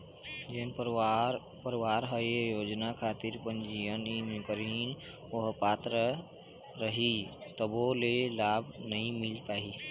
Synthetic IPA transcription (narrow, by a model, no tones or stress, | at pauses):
d͡ʒeːn | pəɾʋaːɾɦəjjoːd͡ʒnakʰaːt̪iɾpənd͡ʒijəninʊkəɾin | oɦpaːt̪ɾə | ɾəɦit̪əbolelaːbʱnəɦĩmɪlpaːi